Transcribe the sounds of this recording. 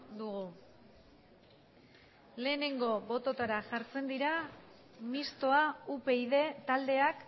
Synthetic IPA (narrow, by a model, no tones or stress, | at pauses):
d̪uɣu | le̞ːne̞ŋɡo̞bo̞t̪o̞t̪aɾaʝaɾt͡se̞nd̪iɾa | mist̪o̞aupe̞iðe̞t̪ald̪e̞ak